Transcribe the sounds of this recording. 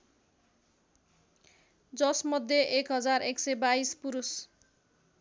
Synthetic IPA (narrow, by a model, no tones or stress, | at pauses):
d͡zʌsmʌd̪ʱjeʔekɦʌd͡zareksʌjbaispuɾus